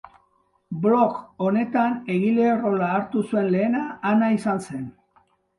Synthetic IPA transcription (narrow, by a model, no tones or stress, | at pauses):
blo̞ko̞ne̞t̪ane̞ɣile̞oro̞laːɾt̪usue̞nle̞ːnaːnaisanse̞n